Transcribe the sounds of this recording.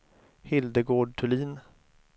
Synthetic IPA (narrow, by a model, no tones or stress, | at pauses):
hɪld̪əɡoːɖʈʰɵliːn